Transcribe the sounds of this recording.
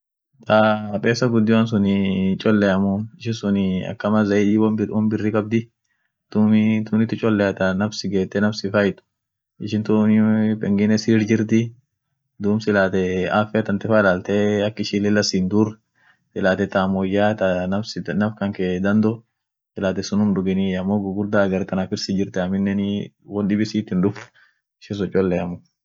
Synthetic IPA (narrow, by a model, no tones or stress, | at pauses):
t̪ʰapʼeːsːɐɡʊd̪ːɪwɐns̬ʊnɪt͡ʃʼɔlːɛjɐmʊnɪʃɪnsʊnɪɐ̰kːɐmɐzɐɪd̪iːwɔmbɪwɔmbɪrːɪkʼɐb̚d̪ɪ | t̪umt̪uːnɪt̪ːɪt͡ʃʼɔlːɛjɐt̪ɐnɐfsɪɡeːt̪ːɛnɐfsɪfɐjɪt̪ʊ̥ | ɪʃɪnt̪umpʼɛŋɡɪnɛsiːɾd͡ʒɪɾt̪ɪ | d̪uːmsɪlaːt̪ɛaːfɛɐt̪ɐnt̪ɪfaːɪlaːlt̪ɛɐkːɪʃiːlɛlɐsind̪uɾ | tɪlaːt̪ɛt̪amɔjaːt̪ɐnɐfsɪnɐfkɐŋked̪ɐnd̪ɔ | sɪlaːt̪ɛsʊnʊmᶑʊɡɪniɐmːoːɡʊɡʊɾd̪aːɡɐɾt̪ɐnafɪɾsɪd͡ʒɪɾt̪ɛɐmɪnːɛnɪ | wɔnɗɪbɪsiːt̪ːɪnᶑʊft̪ | ɪʃɪs̬ɔt͡ʃʼːɔlːɛɐmo